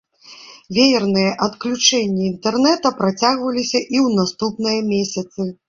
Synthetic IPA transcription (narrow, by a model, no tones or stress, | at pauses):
vʲejɛrnɨjɐʔɐt̪klʲut͡ʂɛnʲːiint̪ɛrnɛt̪ɐpɾat͡sʲaɣvɐlʲisʲɐʔiwnast̪upnɨjɐmʲesʲɐt̪sɨ